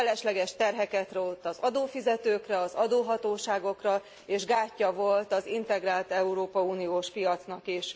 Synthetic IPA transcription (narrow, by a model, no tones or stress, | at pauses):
ɛlɛʃlɛɡɛʃt̪ɛrɦɛkɛt̪rot̪ɒzɒd̪oːfizɛt̪øːkrɛɒzɒd̪oːɦɒt̪oːʃaːɡo̞krɒ | eːʒɡaːcːɒvo̞lt̪ɒzint̪ɛɡraːlt̪ɛuɾoːpɒuːnijoːʃpijɒt̪snɒkiʃ